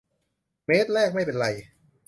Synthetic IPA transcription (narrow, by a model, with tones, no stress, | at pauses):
meː˦˥t̪̚ɾɛː˥˩k̚ma˥˩jpe˧nɾa˧j